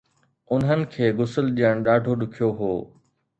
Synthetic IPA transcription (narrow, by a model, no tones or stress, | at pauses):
ʊnɦənɪ̆kʰeːɣʊsəlɗijəɽ̃ɗaːɖʱoɗʊkʰijoɦoː